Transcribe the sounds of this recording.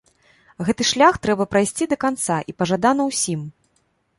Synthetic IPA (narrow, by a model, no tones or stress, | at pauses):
ɣɛt̪ɨʂlʲaxt̪ɾɛbɐpɾajsʲt͡sʲid̪ɐkant̪saʔipɐʐad̪anɐwsʲim